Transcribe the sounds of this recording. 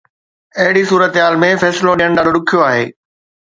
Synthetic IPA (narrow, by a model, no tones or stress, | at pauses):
ɐɦɪɽisuːɾət̪ɦaːlmẽfɛːsɪloɗĩːəɽ̃ɗaːɗoɗʊkʰijoaːɦeː